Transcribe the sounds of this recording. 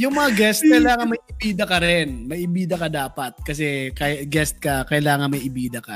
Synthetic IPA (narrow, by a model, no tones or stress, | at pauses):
jʊŋmɐŋaɡɛst̪̚kɐjlaːŋɐnmɐjʔɪbiːd̪ɐkɐɾɛnmɐjʔɪbiːd̪ɐkɐd̪aːpɐt̪̚kɐsɛkɐjɡɛst̪̚kɐkɐjlaːŋɐnmɐjɪbiːd̪ɐkɐ